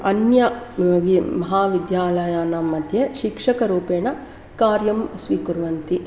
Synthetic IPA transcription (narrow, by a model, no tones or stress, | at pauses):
ɐnjɐʋimɐɦaːʋid̪jaːlɐjaːnamːɐd̪ʱjɐʃikʂɐkɐɾuːpeːɳɐ | kaːɾjɐmsʋiːkuɾʋɐnt̪i